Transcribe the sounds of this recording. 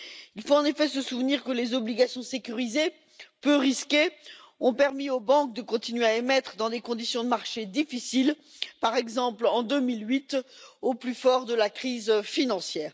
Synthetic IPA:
ilfoɑ̃nefɛsəsuvniʁkəlezɔbliɡasjɔ̃sekʲyʁize | pøʁiskʲe | ɔ̃pɛʁmiobɑ̃k̚d̪əkɔ̃t̪inɥeaemɛt̪χəd̪ɑ̃d̪ekɔ̃d̪isjɔ̃d̪əmaʁʃed̪ifisil | paʁɛɡzɑ̃plɑ̃d̪ømilɥit̪oplyfɔʁd̪əlakχizfinɑ̃sjɛːʁ

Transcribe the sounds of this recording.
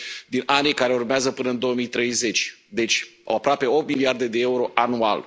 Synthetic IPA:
d̪inʔanijkaɾe̞urmeazəpɨnəɨnd̪o̞womijt̪ɾe̞jze̞t͡ʃʲd̪e̞t͡ʃʲo̰apɾoape̞o̞p̚t̪miliard̪e̞d̪e̞euɾo̞ʔanua̰l

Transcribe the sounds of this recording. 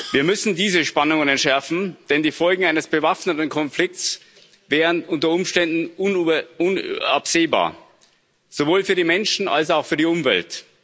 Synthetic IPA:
viːɐmʏsn̩diːzəʃpanʊŋənɛntʃɛɐfn̩d̥ɛndiːfɔlɡŋ̩aɪnəsb̥əvafnətn̩kʰɔnflɪk̚t͡s | vɛːʁənʔʊntɐʊmʃtɛndn̩ʊnʊnapz̥eːba̰ːɐ | z̥ovoːlfyːɐɾiːmɛnʃn̩a̰lsaʊxfyːɐɾiːʊmvɛ̰lt

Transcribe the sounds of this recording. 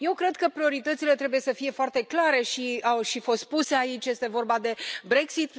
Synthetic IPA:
je̞wkɾe̞d̪kəpɾio̞ɾit̪ət̪sile̞t̪ɾe̞buje̞səfije̞foart̪e̞klaɾe̞ʃiawʃifo̞st̪̚puse̞ait͡ʃʲje̞st̪e̞vo̞rbad̪e̞bɾe̞ksit̪

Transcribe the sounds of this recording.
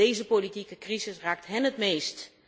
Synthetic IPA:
ejzəpolitikəkrizɪsraːk̚tɦɛnətmeːst

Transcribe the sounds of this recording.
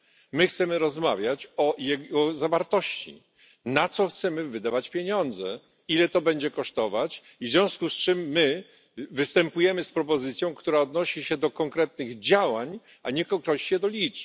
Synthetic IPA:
mɘxt̪sɛmɘɾɔzmavʲjat͡ɕɔjɛɡɔzavaɾt̪ɔɕt͡ɕḭ | nat̪sɔxt̪sɛmɘvɘd̪avat͡ɕpʲjeɲɔnd̪zɛ̰ | ilɛt̪ɔbɛɲd͡ʑɛkɔʂt̪ɔvat͡ɕ | ivzʲjɔ̃w̃skust͡ʂɘmːɘ | vɘst̪ɛmpujɛmɘspɾɔpɔzɘt̪sʲjɔ̃w̃kt̪uɾaɔd̪nɔɕiɕɛd̪ɔkɔŋkɾɛt̪nɘɣd͡ʑawaɲ | ʔaɲɛkɔŋkɾɔɕiɕɛd̪ɔlʲit͡ʂ

